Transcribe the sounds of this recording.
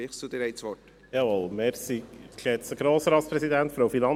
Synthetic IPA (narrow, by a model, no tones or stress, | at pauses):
ɪχsud̪ɪɾɛɪtsʋɔt | jɑʋɔlmeɾsiʃɛtsəɡɾoːsəɾɑːt̪spɾɛsid̪ænt̪fɾoʊfinɑn